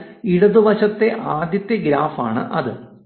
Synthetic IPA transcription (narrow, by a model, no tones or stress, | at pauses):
iɽuðɨʋɐɕɐt̪ːe̞ʔaːd̪jɐt̪ːjɐɡɾaːfaːɳɨ̰ʔɐðɨ